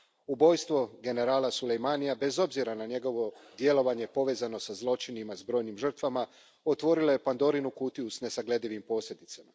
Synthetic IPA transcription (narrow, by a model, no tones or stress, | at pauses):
ubo̞jst̪ʋo̞ɡe̞ne̞ɾaːlasulejmanijabe̞zo̞bziɾanaɲe̞ɡo̞ʋo̞d̪je̞lo̞ʋaɲe̞po̞ʋe̞ːzano̞sazlˠo̞t͡ʃinimazbɾo̞jnimʒr̩t̪ʋama | o̞t̪ʋo̞ɾilo̞je̞pand̪o̞ɾinukut̪iusne̞saɡle̞d̪iʋimpo̞ːslʲʎed̪it̪sama